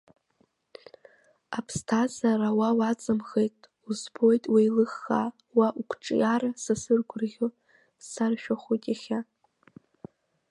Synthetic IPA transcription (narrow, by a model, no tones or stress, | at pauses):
apʰstʰazaɾawawat͡sʼɨmχejtʼ | uzbo̞jtʼwejlɨχːa | waʔukʷʰʈ͡ʂʼjaɾasasɨrɡʷʊrʁʲo | sarʃᶣaχʷojtʼaχʲa